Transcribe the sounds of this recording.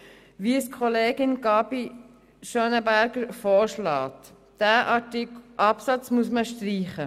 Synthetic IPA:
ʋiəskʰχɔleːɡɪnɡɑbi | ʃøːnəbæɾɡəɾfɔːɾʃlɑːt̪ | d̥æːʔɑtɪkʔɑpsɑt͡smusməʃtɾiːχə

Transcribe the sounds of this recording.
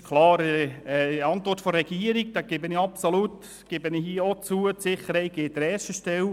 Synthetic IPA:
kʰlɑːɾə | ɑnt̪ʋɔrtfɔɾɛɡ̥iːəɾiɡ̚d̥æɡ̥ebɪnɪɑpsolut | ɡ̥ebənihiəot͡suətsɪχəɾhɛɪt̚ɡ̥eːd̥̪əɾɛːʃtəʃtɛl

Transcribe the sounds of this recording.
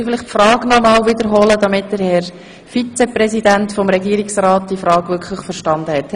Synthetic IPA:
fɪlɪχtfɾɑːɡnɔmɑːlʋɪd̪əɾɦɔːlədɑmɪtdəɾhɛɾ | fit͡seprɛsidæntfɔmɾɛɡiːɾiksɾɑːt̚d̥̪iəfɾɑːɡʋʏɾkʰχləχfəɾʃtɑnd̪əhɛt

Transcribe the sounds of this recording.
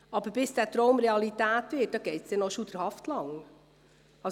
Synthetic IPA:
ɑbəɾb̥ɪsd̥æːtɾowmɾeɑlitæːtʋɪt̚dɑɡ̥eɪtsd̥ɛnoʃud̥əɾhɑftlɑŋ | ɑ

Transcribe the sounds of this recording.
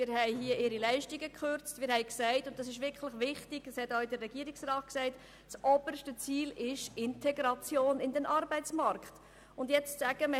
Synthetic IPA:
mɪɾhɛɪɦiəʔɪɾilæɪʃtiɡəkχøɾt͡stmɪːɾhɛɪksæɪtʊnt̚d̥ɑs̬ɪʃʋɪɾkʰχləχʋɪχtɪɡ̥əshɛtoɪdərːɛɡ̥iəɾɪksrɑːt̚ksæɪt | sʔɔb̥ərʃtət͡siːlɪʃɪntʰɛɡɾɑt͡sjoːnɪndɛnʔɑɾbɛɪt͡smɑrkχt | ʊndjɛt͡ssæɡəmə

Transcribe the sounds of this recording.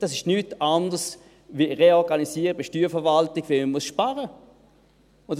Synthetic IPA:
d̥ɑsɪʃnyːtandəs | ʋiʁeɔʁɡanisiːəʁəbeʃtyːfəɐvaltɪɡʋɛməmuəsʃpaʁə | ʊ

